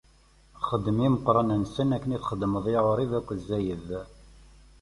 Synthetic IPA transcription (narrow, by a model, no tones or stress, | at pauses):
χəd̪ːəmiməqːɾˤɑnænsənækːəniθχəd̪ːməðˤeʁoɾˤiðækʷːəzːæjəð